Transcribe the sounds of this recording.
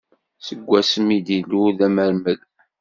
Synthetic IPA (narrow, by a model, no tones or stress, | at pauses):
səɡʷːæsəmid̪iluðæməɾməɡ